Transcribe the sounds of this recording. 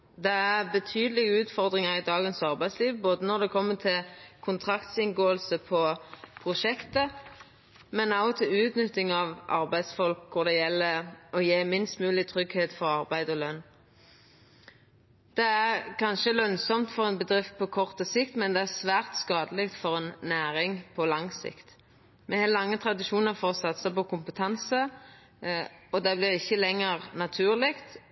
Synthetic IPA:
d̪ɛæʁbət̪ʰyːd̪əlɪɡəʉːt̪fɔʁd̪ʁɪŋɑʁɪd̪ɑːɡənsɑʁbæɪsliːʋboːd̪ənɔʁd̪ɛkʰɔmːət̪ʰɪlkʰʊnt̪ʰʁɑkt̪sɪnɡoːəlsəpʰɔpʰʁʊʃɛkt̪ə | mɛnɑʊt̪ʰɪlʉːt̪nʏt̪ːɪŋɑʋʔɑ̰ʁbæɪd̪sfɔlkʰːʊʁd̪ɛjɛlːəɔjeːmɪnst̪mʉːlɪt̪ʰʁʏɡheːt̪fɔʁɑʁbæɪd̪ɔlœnː | d̪̥ɛæʁkʰɑnʃəlœnsɔmt̪fɔʁɛnbəd̪ʁɪft̪̚pʰɔkʰɔʁt̪əsɪkt̪mɛnd̪ɛæʁsʋæːʁt̪skɑːd̪əlɪkt̪fɔʁɛnːæːʁɪŋpʰɔlɑŋsɪ̰kt̪ | mɛhɛlɑŋːət̪ʰʁɑd̪ɪʃuːnəʁfoːʁɔsɑt̪ːsæɪpɔkʊmpət̪ʰɑnsə | ɔd̪ɛblɪʁɪçːəlɛŋːəʁnɑt̪ʰʉːʁlɪkt̪

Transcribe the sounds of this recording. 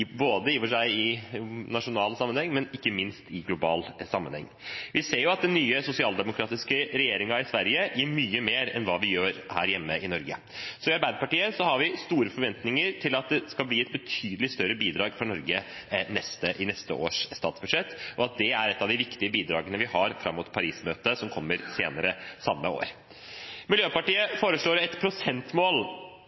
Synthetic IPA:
boːd̪əjiːʋəʂæɪɪnɑʂʊnɑːlsɑmːənhɛŋːmɛnɪkːəmɪnst̪ɪɡlʊbɑ̰ːlsɑmːənhɛ̰ŋːʋʔɪseːɾjʊɑt̪̚d̪ɛnyːəsʊsɪɑːld̪ɛmʊkʰɾɑːt̪ɪskəɾɛjeːɾɪŋɑɪsʋæɾjəjiːɾmyːəmeːɾɛ̰nʋɑːʋɪjøːɾhæ̰ːɾjɛmːəʔɪnɔɾɡə | sɔɪɑɾbæɪd̪pɑʈiːəsɔhɑɾʋɪst̪uːɾəfɔɾʋɛnt̪nɪŋəɾʈʰɪlɑt̪̚d̪ɛskɑlbliːɛt̪bət̪ʰyːd̪əlɪst̪œɾəbiːd̪ɾɑːɡfɾɔnɔɾɡənɛst̪əʔɪnɛst̪ə̰ʔo̰ːʂst̪ɑːt̪sb̥ʉd̪ʂɛt̪ːʔɔɑt̪̚d̪ɛæɾɛt̪ːɑʋd̪ɪʋɪkt̪ɪəbiːd̪ɾɑːɡənəʋɪhɑɾfɾɑmːʊt̪pʰɑɾiːsmøːt̪əsɔmkʰɔmːəɾseːnəɾəsɑmːəo̰ːɾ | mɪljøːpɑʈiːəfoːɾəʂɭoːɾɛt̪pʰɾʊsɛnt̪moːl

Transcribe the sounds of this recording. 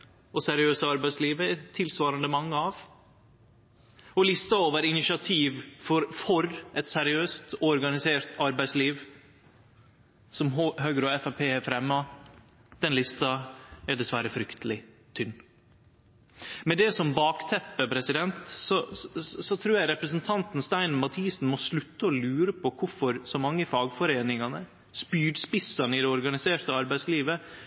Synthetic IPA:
ɔsɛɾɪøːsəɑɾbæɪsliːʋəɛt̪ʰːɪlsʋɑːɾənd̪əmɑŋːəɑʋ | ɔlɪst̪ɑoːʋəɾɪnɪʃɪɑt̪ʰiːʋfɔɾfɔɾɛt̪sɛɾɪøːst̪ɔɾɡɑnɪseːɾt̪ɑɾbæɪsliːʋ | sɔmhøːɡəɾɔɛfɑpʰeːæfɾɛmːɑ | d̪̥ɛnlɪst̪ɑæɖɛsʋæɾəfɾʏkt̪ʰəlɪ | t̪ʰʏnː | mɛd̪ɛsɔmbɑːkt̪ʰɛpːəpʰɾɛsɪd̪ɛnt̪sɔsɔt̪ʰɾʉːɾjæɪɾɛpɾəsnt̪ʰɑnt̪n̩st̪æɪnmɑt̪ʰiːsn̩mɔslʉt̪ːəɔlʉːɾəpʰɔkʰʊɾfɔɾsɔmɑŋːəfɑːɡfɔɾeːnɪŋɑnə | spyːɖspɪsɑnəɪd̪ɛɔɾɡɑnɪseːɾt̪əɑɾbæɪsliːʋə

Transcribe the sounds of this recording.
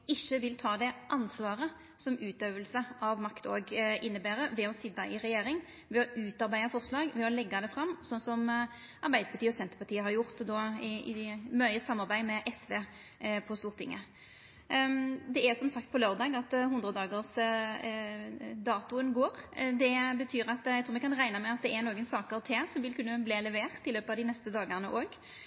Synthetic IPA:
ɪçːəʋɪlt̪ʰɑːd̪ɛʔɑnsʋɑːʁə | sɔmʉːt̪øːʋəlsəʔɑʋmɑkt̪o̰ːɡɪnːəbæːɾəʋɛɔsɪd̪ːɑɪɾɛjeːɾɪŋ | ʋɛɔʔʉːt̪ɑʁbæɪɑfɔʁslɑːɡʋɛɔlɛɡːɑd̪ɛfʁɑmːsɔnsɔm | ʔɑɾbæɪd̪əpʰɑt̪iːɔsɛnt̪əɾpɑʁt̪iːəhɑʁjʊʁt̪d̪ɔɪɪ̰mœʏəsɑmːɑʁbæɪmɛʔɛsʋeː | pʰɔst̪uːʁt̪ʰɪ̰ŋːə̰ | d̪ɛæʁsɔmsɑkt̪pʰɔløːʁd̪ɑːɡɑt̪hʊnd̪ʁəd̪ɑːɡəʁs | d̪ɑːt̪ʊənɡoːɾd̪ɛbət̪ʰyːɾɑt̪jæɪt̪ʰuːʋɪkʰɑnʁæɪnɑmɛɑt̪̚d̪ɛæɾnoːɡənsɑːkəʁt̪ʰeːsɔmʋɪlkʰʉnːəbleːlɛʋeːʁt̪ːɪlːøːpəɑʋd̪ɪnɛst̪əd̪ɑːɡənəʔoːɡ

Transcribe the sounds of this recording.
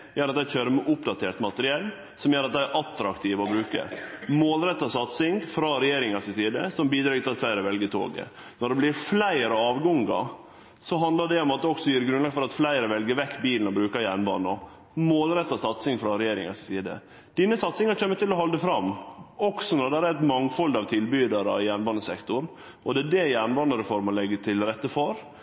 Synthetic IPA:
jøːɾɑt̪d̪æɪçøːɾəmɛʔʊpd̪ɑt̪ʰeːʈt̪mɑt̪əɾɪɛlː | sɔmjøːɾɑt̪̚d̪æɪæɾʔɑt̪ɾɑkt̪ʰiːʋɔbɾʉːkə̰moːlɾɛt̪ːɑsɑt̪sɪŋfɾɑɾɛjeːɾɪŋɑsɪsiːd̪əsɔmbiːd̪ɾɑːt̪ɪlɑt̪flæɪɾəʋɛlɡət̪ʰo̰ːɡə̰ | nɔɖɛblɪɾflæɪɾɔɑːʋɡɔŋɡɑ̰ | sɔɦɑnd̪lɑɖɛɔmɑt̪̚d̪ɛɔksɔjiːɾɡɾʉnlɑːɡəfɔɾɑt̪flæɪɾəʋɛlɡəɾʋɛkːbiːlənɔbɾʉːkɑjæɳbɑ̰ːnə | moːlɾɛt̪ːɑsɑt̪sɪŋfɾɑɾɛjeːɾɪ̰ŋɑ̰sɪsiːd̪ə̰ | d̪̥ɪnːəsɑt̪sɪŋɑɾt͡ʃʰømːət̪ʰɪlːɔhɔld̪əfɾɑmːɔksɔnɔd̪ɛd̪ɛæɛt̪mɑŋfɔld̪ɑʋt̪ʰɪlbyːd̪ɑɾɑ̰jæːɳbɑːnəsɛkt̪ʊɾ | ʔɔd̪ɛːdɛjæːnbɑːnəɾəfoɾmɔlɛɡːət̪ʰɪlɾɛt̪ːəfɔɾ

